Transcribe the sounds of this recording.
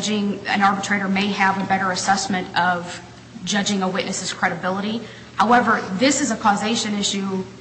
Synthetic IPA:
d͡ʒɪ̃ŋɨ̰̃nɑɹbɨtʰɹ̥eɪɾə˞meɪɨvəbɛɾə˞ɨsɛsmɨ̃ntʌv̥ | d͡ʒʌd͡ʒɪ̃ŋəwɪʔⁿnɨsɨz̥kʰɹ̥ɛɾɨbɪlˠəɾi | haʊɛvə˞ðɪsɨzəkʰɔzeɪʃɨ̃nɪʃʉ

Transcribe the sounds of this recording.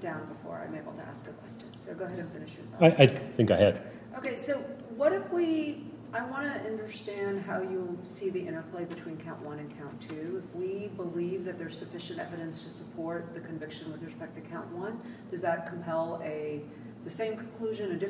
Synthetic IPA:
d̥ãʊ̃nbəfɔ̰ɹã̰ɪ̃meɪbl̩ˠtʰɨ̰ʔæ̰skəkʰw̥ɛst͡ʃɨ̃nsoʊɡoʊɦɛɾɨ̃nfɪ̃nɨʃə˞faɪʔaɪθɪ̃ŋkaɪɨd̥ | ʔoʊkeɪsoʊwʌɾɨfwi | ʔaɪwɑ̃nɨʔʌ̃ndə˞stæ̃nd̚ɦaʊjɨsiðiʔɪ̃ɾ̃ə˞pʰl̥eɪbɨtʰw̥ĩnkʰãʊ̃nʔwʌ̃ɾ̃ɨ̃nkʰãʊ̃ntʰʉɪfwibəlivðɨt̪̚ðə˞z̥sɨfɪʃɨ̃ntɛ̰vɨɾɨ̃nstʰɨsəpʰɔɹt̪̚ðɨkʰɨ̃ɱvɪkʃɨ̃nwɨðɹɨspɛk̚tɨ̥kʰãʊ̃nʔwʌ̃n | d̥ʌzðət̚kʰm̩pʰɛlˠɨ | ðɨsẽɪ̃mkʰn̩kʰl̥ʉʒɨ̃nɨdɪ

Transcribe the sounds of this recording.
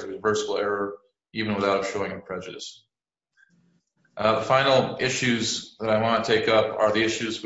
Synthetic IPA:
jʉnəvɜ˞səbl̩ˠɛɹə˞ | ivɨ̃n̩wəθaʊɾʃoʊɪ̃ŋɨpʰɹ̥ɛd͡ʒɨɾɨ̰s | ʔðəfãɪ̃nl̩ˠɪʃʉzðəɾaɪwɑ̃ntʰeɪkʌpə˞ðiɪʃʉz

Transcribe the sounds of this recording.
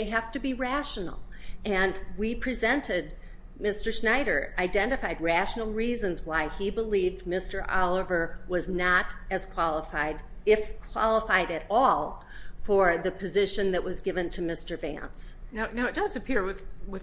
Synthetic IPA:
eɪɦæftɨbiɹæʃn̩l̩ˠɨ̃nwipʰɹ̥izɛ̃ntɪd̚ | mɪstə˞snaɪɾə̰˞aɪdɛ̃ntɨfaɪd̚ɹæʃnl̩ˠɹizɨ̃nzwaɪibəlivdmɪstə˞ʔɑlˠəvə˞wʌznəɾɨz̥kʰw̥ɑlˠəfaɪɾɪfkʰw̥ɑ̰lˠəfaɪɾɨɾɔlˠ | fə˞ðɨpʰɨzɪʃɨ̃nðɨʔwʌzɡɪvɨ̃ntʰɨmɪstə˞væ̰̃nsnaʊnoʊɨt̚d̥ʌzɨpʰɪɹwɨðwɨ

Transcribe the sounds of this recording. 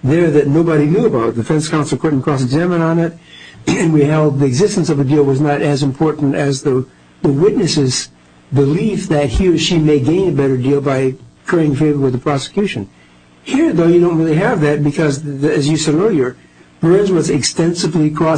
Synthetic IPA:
ðə˞ðɨtⁿnoʊbɨɾinjuəbaʊt̚d̥ɨfɛ̃nskʰãʊ̃nsl̩ˠkʰɪʔn̩kʰɹ̥ɔs̬ɨɡzæmə̃ñə̃nɪtɨ̃nwiɦɛlˠd̪̚ðiɨɡzɪstn̩sʌvɨdilˠwʌznəɾɨzɨ̃mpʰɔɹʔn̩tɨzðə | ðəwɪtⁿnɨsɪz | bɨlifðɨt̚hiɹʃimeɪɡẽɪ̃nɨbɛɾə˞dilˠbaɪkʰɹ̥eɪɪ̃ŋfeɪvə˞wɨðəpʰɹ̥ɑsə̥kʰj̥ʉʃɨ̃n | hiɹðoʊjɨɾõʊ̃nt̚ɹɪlˠiɨvðɨt̚b̥ɨkʰʌzɨzjɨsɛɾɔ˞jə˞ | b̥ɜ̃˞nzwʌzɨkstɛ̃nsɨvlikʰɹ̥ɔ

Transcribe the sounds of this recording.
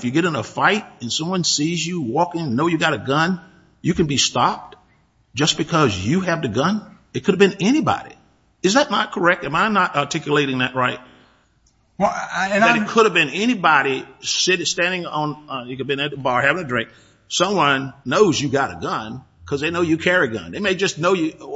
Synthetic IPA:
fjɨɡɛɾɪ̃ŋəfaɪɾ̚ɨ̃nsʌ̃mwʌ̃nsizjɨwɔkɪ̃ŋnoʊjɨɡɑɾɨɡʌ̃n | jɨkɨ̃n̩bistɑp̚t | d̥ʒ̥ʌsb̥ɨkʰʌzjɨɨvðɨɡʌ̃n | ɨt̚kʰʊɾɨvbɨ̃nɛñibɑ̰ɾḭ | ɨzðɨtⁿnə̰t̚kʰə˞ɛk̚tãmãɪ̃mnəɾɑ˞tʰɪkjɨleɪɾɪ̃ŋðɨʔ̚ɹaɪt̚ | ðɨɾɨt̚kʰʊɾɨvbɨ̃nɛñibɑɾisɪɾstæ̃ndɪ̃ŋə̃njɨkɨ̃nbɨ̃nɨ̃nbɑɹhævɪ̃ŋɨdɹɪ̃ŋk̚ | sʌ̃mwʌ̃nːoʊzjɨɡɑɾɨ̰ɡʌ̃n | kʰʌzðeɪnoʊjɨkʰɛɹiɡʌ̰̃neɪmeɪd͡ʒʌsnoʊjɨ

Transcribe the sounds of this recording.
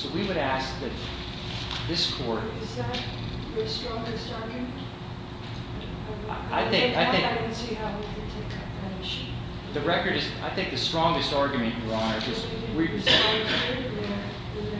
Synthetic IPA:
soʊwiwɨɾæsk̚ðɨt̪̚ | ðɪskʰɔɹtɪzt | əstɹ̥ɔ̃ŋɡɨstɑɹɡjmɨ̃nt | aɪθɪ̃ŋaɪθɪ̃ŋsihaʊwikʰɨ̃ntʰeɪkʰɑ̃pəmeɪʃɨ̃n | ðɨɹɛkə˞ɾɨza̰ɪθɪ̃ŋk̚ðɨstɹ̥ɔ̃ŋɡɨstɑɹɡjɨmɨ̃nʔwə˞ə̃nad͡ʒʌs | wisɛ̃

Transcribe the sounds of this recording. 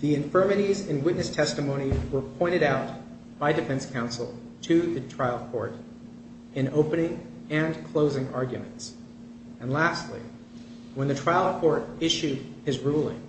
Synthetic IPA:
ðiɨ̃ɱfɜ˞mɨɾizɨ̃nwɪʔⁿnɨstʰɛstɨmõʊ̃ñiwə˞pʰɔ̃ɪ̃ɾ̃ɨɾaʊt̚ | b̥aɪdɨfɛ̃nskʰãʊ̃nsl̩ˠ | tʰɨðɨtʰɹ̥aɪlˠkʰɔ̰ɹɾ | ɨ̃noʊpɨnɪ̃ŋ | ɨ̃nkʰl̥oʊzɪ̃ŋɑɹɡjɨ̰mɨ̰̃nts | ɨ̃nlæstˡlḭ | wə̃nðɨtʰɹ̥aɪl̩ˠkʰɔɹɾɪʃʉd̚ɨzɹulˠɪ̰̃ŋ

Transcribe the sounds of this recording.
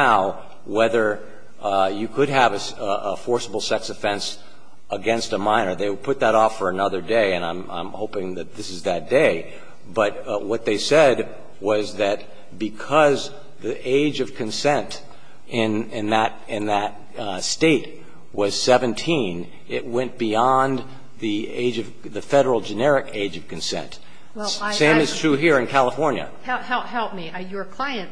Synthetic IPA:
aʊ | wɛðə˞ | jɨkʰɨd̚ɨvɨ | əfɔɹsəbl̩ˠsɛksɨfɛ̃ns | əɡɛ̃nstəmãɪ̃nə˞ðeɪwɨd̚pʰʊt̪̚ðəɾɔfə˞ɨnʌðə˞deɪɨ̃nãɪ̃mã̰ɪ̃mhoʊpɪ̃ŋðɨt̪̚ðɪsɨzðɨt̚d̥eɪ | b̥ʌt̚wʌt̪̚ðeɪsɛd̚ | wʌzðɨt̚ | b̥ɨkʰʌz | ðiʔeɪd͡ʒʌv̥kʰɨ̃nsɛ̃nt | ʔɪ̃nɪ̃nðɨɾ | ɪ̃nðɨt̚ | steɪt̚ | wʌz̥sɛvɨ̃ntʰĩn | ɪʔ̚wɛ̃nb̥iɑ̃n | ðiḛɪd͡ʒʌv̥ | ðɨfɛɾə˞l̩ˠd͡ʒɨnɛɹɨkeɪd͡ʒʌv̥kɨ̃nsɛ̰̃nt | sẽɪ̃mɨz̥tʰɹ̥ʉɦiɹɨ̃nkʰælˠəfɔɹnjɨ̰hɛhɛɦɛlˠp̚miəjə˞kʰl̥aɪɨ̃n

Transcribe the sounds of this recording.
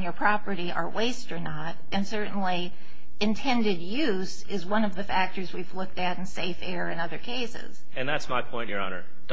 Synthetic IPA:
njə˞pʰɹ̥ɑpə˞ɾiʔə̰˞weɪstə˞nəɾ | ɨ̃nsɜ˞ʔn̩li | ɨ̃ntʰɛ̃ndɨd̚jʉ | z | ɪzwʌ̃nʌvðɨfæk̚tə˞zwivlʊk̚tɨɾ̃n̩seɪfɛɹɨ̃nʌðə˞kʰeɪsɪ̰z̥ | ɨ̃nðætsmaɪpʰɔ̃ɪ̃nʔjə˞ɑ̰nə̰˞ | d̥

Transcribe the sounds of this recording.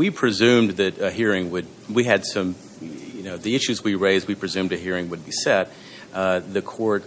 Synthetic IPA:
wipʰɹ̥ɨzʉ̃mðɨtɨɦiɹɪ̃ŋwɨd̚ | wiɨd̥sʌ̃m | jɨnoʊðiɪʃʉzwiɹeɪzd̚wipʰɹ̥ɨzʉ̃mdɨɦiɹɪ̃ŋwɨd̚bisɛt̪̚ | ðɨkʰɔɹt̚

